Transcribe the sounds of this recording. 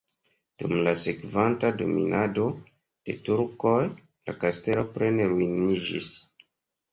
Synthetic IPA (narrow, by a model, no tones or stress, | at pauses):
d̥umlase̞kvantado̞̰mḭnʔado̞ | d̥e̞tuɾko̞j | lakaste̞lo̞pɾe̞neɾuinid͡ʒḭs